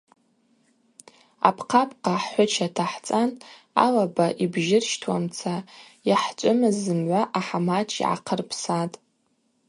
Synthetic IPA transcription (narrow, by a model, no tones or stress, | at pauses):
a̰pʰqʰapʰʼqaħːʷʊt͡ʃʰatʰaħt͡sʼan | a̰labaʔibʒɪrʃtʰwamt͡sʰa | jaħt͡ʃʷʼʊmɨzɨmʕʷaʔaħamat͡ʃʰḭʕa̰qʰərpʰsatʼ